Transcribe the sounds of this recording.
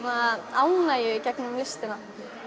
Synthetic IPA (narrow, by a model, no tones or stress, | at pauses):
maaːwnajʏcɛknʏmlɪst̪ɪna